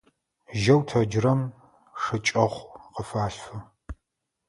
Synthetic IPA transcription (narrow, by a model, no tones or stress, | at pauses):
ʒɐwtʰɐd͡ʒrɐm | ʂɨt͡ʃʼɐʁʷqəfaːɬfɨ